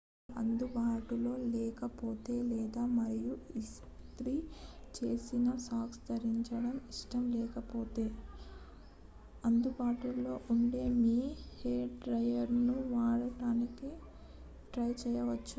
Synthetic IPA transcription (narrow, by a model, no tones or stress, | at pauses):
ɐnd̪ubaːʈulo̞ːlɛːkɐpoːt̪e̞ːlɛːd̪aːmɐɾijuis | t̪ɾit͡ʃe̞ːsinɐsaːkst̪ɐɾiɲt͡ʃɐɽɐmiʂʈɐmlɛːkɐpoːt̪e̞ː | ɐnd̪ubaːʈulo̞ːʔuɳɖe̞ːmiːheːɖɾɐjɐɾnuʋaːɽɐɽaːniki | ʈɾɐjt͡ʃɛːjɐʋɐt͡ʃːu